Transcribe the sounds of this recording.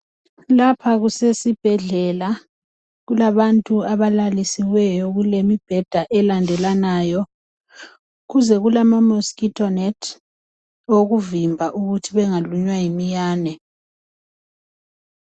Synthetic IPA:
lapʰaɣusesib̥ʱɛɮɛla | ɣulaβantʼuaβalalisiwɛjɔɣulemib̥ʱɛd̥ʱaʔɛlandʱɛlanaːjɔ | ɣuzɛɣulamamoskitʰʼɔnɛtʰ | oɣuvimbʱaʔuɣutʰiβɛŋaluɲwajimijaːnɛ

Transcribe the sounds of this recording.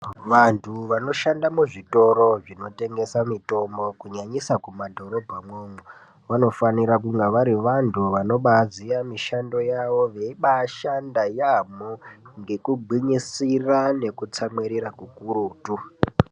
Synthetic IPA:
ʋantʰuʋano̞ʃandamuʐito̞ɾo̞ʐino̞te̞ŋɡe̞samito̞mbo̞kuɲaɲisakumadʱo̞ɾo̞bʱamwoːmwe | ʋano̞faniɾak̬uŋɡeʋaɾiʋantʰuʋano̞ɓaziamiʃando̞jaʋo̞ʋe̞iɓaʃandajamoŋɡe̞kuɡ͡bʱiɲisirane̞kut͡samweɾiɾakukuɾuːtu

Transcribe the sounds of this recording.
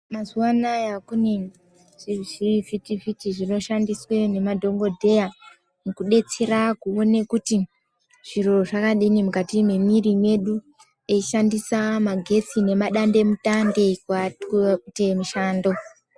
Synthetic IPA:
mazuwanajakune | irivʱitivitiʐino̞ʃandiswe̞ne̞madʱo̞ŋɡo̞dʱe̞ja | mukuɗe̞t͡se̞ɾakuone̞kuti | ʐ̥iɾo̞ʐakaɗinimukatimwe̞mirimwe̞ɗu | eiʃandisamaɡʱe̞t͡sine̞maɗande̞mutande̞kwatemiʃaːndo̞

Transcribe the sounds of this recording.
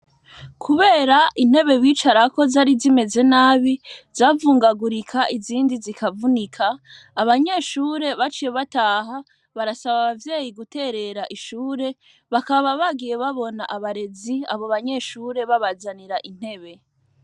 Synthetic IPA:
kʰuβe̞ːɾaʔin̥he̞βe̞βiːt͡ʃaɾako̞zaɾizime̞ze̞naːβizaːvuːŋɡaɡuɾikʰaʔiziːndizikʰavunikʰaː | βaɲe̞ːʃuːɾe̞βat͡ʃije̞βataːɦa | βaɾasaβaβavjeːjiɡute̞ːɾe̞ɾaʔiʃuːɾe̞ | βakaβaβaβaɡije̞βaβo̞na̰ʔaβaɾe̞zia̰βo̞βaɲe̞ʃuːɾe̞βaβazaniɾaʔin̥he̞βe̞

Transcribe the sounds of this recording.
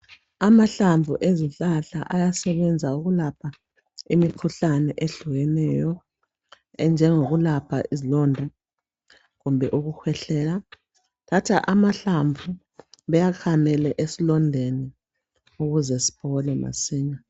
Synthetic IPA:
amaɬaɱvʱuʔeziɬaɬa̰ʔajasɛβɛnd͡zʱauɣulapʰa | imikʰuɬanɛʔeɬuɣɛnɛjɔ | ɛnd͡ʒʱɛŋoɣulapʰa̰ʔizilɔndʱa | ɣumbʱɛʔuɣuxʰwɛɬɛːla | tʰatʰaʔamaɬaɱvu | βɛjakʰamɛlɛʔesilɔndʱeni | uɣuzɛsi̥pʰɔlɛma̰siːɲa

